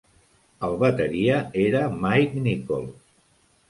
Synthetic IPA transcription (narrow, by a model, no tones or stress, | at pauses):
əlˠβət̪əɾiəeɾəmajkniko̰lˠ